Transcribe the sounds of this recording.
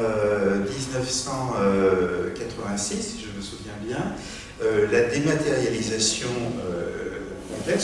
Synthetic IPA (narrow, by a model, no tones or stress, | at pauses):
ød̪iznəfsɑ̃økat̪χəvɛ̃sisʒəməsuvjɛ̃bjɛ̃ | ølad̪emat̪eʁjalizasjɔ̃ø | kɔ̃plɛt̪